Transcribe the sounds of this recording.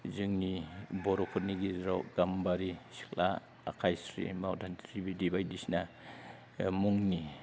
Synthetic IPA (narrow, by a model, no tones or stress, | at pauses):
zɯŋnibɔɾɔpʰut̚niɡiɾɔɡambaɾisi̥kla̰ː | kʰajsɾḭmawdʰantʰɾibidibajdisna | muŋni